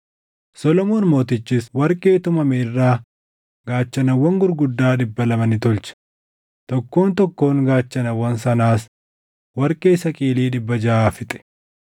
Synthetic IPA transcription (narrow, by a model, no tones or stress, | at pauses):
sɔlɔmoːnmo̞ːt̪ɪt͡ʃːɪswɐɾkʼe̞ːt̪ʊmɐmeːrːaː | ɡ̥aːt͡ʃːɐnɐwːɐŋɡʊɾɡʊd̪ːaːᶑɪbːɐlɐmɐnɪt̪ʊlt͡ʃɐ̥ | t̪ɔkːo̞ːnt̪ɔkːo̞ːŋɡaːt͡ʃːɐnɐwːɐnsɐnaːs | wɐɾkʼe̞ːsɐkʼiːliːᶑɪbːɐd͡ʒaaːfɪt̪ʼɛ̥